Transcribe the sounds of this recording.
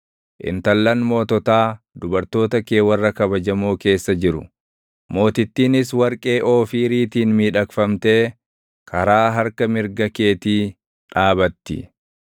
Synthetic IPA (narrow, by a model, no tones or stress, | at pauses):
ʔɪ̰nt̪ɐlːɐnmo̞ːt̪ɔt̪aː | d̪ʊbɐɾt̪o̞ːt̪ɐke̞ːwɐrːɐkɐβɐd͡ʒɐmoːke̞ːsːɐd͡ʒɪɾʊ̰ | mo̞ːt̪ɪt̪ːiːnɪswɐɾkʼe̞ːʔo̞ːfiːɾiːt̪iːnmiːᶑɐkfɐmt̪e̞ː | kʰɐɾaːɦɐɾkɐmɪɾɡɐke̞ːt̪iː | ᶑaːbɐt̪ːɪ̰